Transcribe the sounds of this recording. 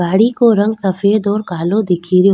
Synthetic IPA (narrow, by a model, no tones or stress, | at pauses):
aːɽikoːɾɐ̃ŋɡsɐfeːd̪ɔːɾkaːlod̪ɪkʰiɾɪjo